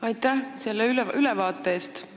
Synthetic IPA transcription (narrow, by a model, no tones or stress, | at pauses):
ɑjt̪ːˑæhse̞lːeylylɛvɑːt̪ːˑeeːst̪